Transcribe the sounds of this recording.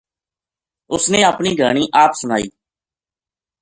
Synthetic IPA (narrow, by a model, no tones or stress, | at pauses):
ʊsnẽːəːpniːɡʱəːɳ̃iːʔaːpsʊnaːiː